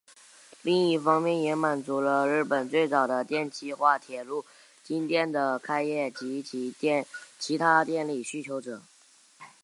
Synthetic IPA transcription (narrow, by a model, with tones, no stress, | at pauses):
li˥˧ŋi˥˩fɑ˥ŋmjɛ˥˩njɛ˧˥ma˨˩nt͡su˧˥lə˧ɻɻ̩˥˩pə˨˩nt͡swe˥˩ɪt͡sɑ˨˩ʊd̪ə˦t̪jɛ˥˩nt͡ɕʰi˥xwa˥˩t̪ʰjɛ˨˩lu˥˩ | t͡ɕi˥ŋt̪ʰjɛ˥˩nd̪ə˩kʰa˥ɪjɛ˥˩t͡ɕi˧˥˧t͡ɕʰi˧˥t̪ʰa˥t̪jɛ˥˧nli˨˩ɕy˥t͡ɕʰjo˧˥ʊʈ͡ʂɤ˨˩˦